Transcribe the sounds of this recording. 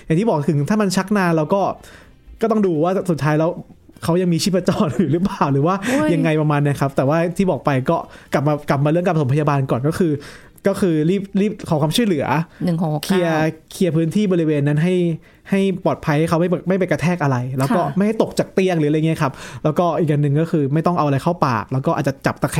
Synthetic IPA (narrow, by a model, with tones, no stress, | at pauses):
ja˨ŋʰiː˥˩bɔː˨˩kt̪ʰɯ˩˦ŋt̪ʰaː˥˩ma˧nt͡ɕʰa˦˥k̚naː˧lɛː˦˥wkɔː˥˩ | kɔː˥˩t̪ɔ˥˩ŋduː˧waː˥˩su˨˩t̪ʰːaː˦˥jlɛː˦˥w | kʰa˦˥wja˧ŋmiː˧iː˥˩pa˧t͡ɕɔː˨˩njuː˨˩lɯ˦˥p̬laː˨˩wɾɯː˩˦waː˥˩ja˧ŋːa˧jpɾa˧maː˧ni˦˥˩kʰa˦˥p̚t̪ɛː˨˩waː˥˩˨t̪ʰiː˥˩bɔː˨˩k̚pa˧jkɔː˥˩kla˨˩p̚maː˧ka˨˩p̚maː˧lɯ˥˩əka˧pso˩˦mpʰa˧jaː˧baː˧nkɔː˨˩nkɔː˥˩kʰɯː˧ | kɔː˥˩kʰɯː˧ɾiː˥˩p̚liː˥˩p̚kʰɔː˩˦kʰwaː˧t͡ɕʰlɯ˩˦ɐ̰˦nɯ˨˩˨kʰi˧ɐkʰi˧ɐpʰɯː˦˥nt̪ʰiː˥˩bɔː˧ɾi˧weː˧nːa˦˥nɦa˥˩j | ha˥˩jpɔː˨˩t̪̚pʰa˧jha˥˩jkʰa˦˥wma˥˩˧ma˥˩jpe˧nka˧t̪ʰɛː˥˩k̚ʔa˧ɾa˧jlɛː˦˥wkɔː˥˩ma˥˩jha˥˩jt̪o˨˩k̚t͡ɕaː˨˩k̚t̪i˧˩əŋlɯː˩˦ljŋi˦˥˧kʰa˦˥p̚lɛː˦˥wkɔː˥˩ʔi˨˩k̚ʔa˧nːɯ˨ŋkɔː˥˩xʰɯː˧ma˥˩jt̪ɔ˥˩ŋʔa˧wʔa˧ɾa˧jkʰa˥˩wpa̰ː˨˩k̚lɛː˦˥wkɔː˥˩ʔ̚ːt͡ɕa˨˩t͡ɕa̰˨˩p̚t̪a˧kʰ